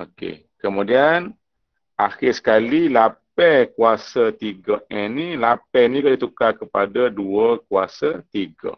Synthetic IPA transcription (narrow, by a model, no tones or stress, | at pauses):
okḛ | kəmudian | ʔaxɪsə̥kalilap̚ɛkuasat̪iɡəɛnilapɛniɡaʔdit̪ukakəpadaduəkua̰sat̪iɡə̰